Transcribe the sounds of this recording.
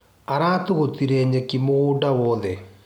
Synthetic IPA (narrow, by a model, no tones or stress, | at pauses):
aɾaːt̪uɣot̪iɾeːɲekimoɣudawɔːðɛ